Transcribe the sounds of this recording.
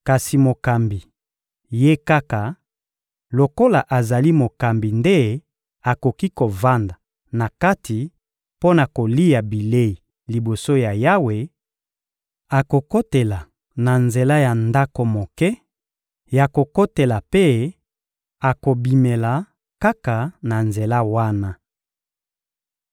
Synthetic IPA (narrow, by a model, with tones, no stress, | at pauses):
ka˨si˨mo˨ka˨mbi˨ | je˦ka˦ka˨ | lo˨ko˦la˨ʔa˨za˨li˦mo˨ka˨mbi˨nde˦ | a˨ko˨ki˦ko˨va˦nda˨ | na˨ka˦tʰi˨ | po˦na˨ko˨li˦ja˨bi˨le˦i˨ | li˨bo˨so˦ja˨ja˦we˨ | a˨ko˨ko˦te˨la˨ | na˨nze˨la˦ja˨nda˦ko˨mo˨kɛ˦ | ja˨ko˨ko˦te˨la˨pe˦ | a˨ko˨bi˨me˨la˨ | ka˦ka˨na˨nze˨la˦wa˦na˦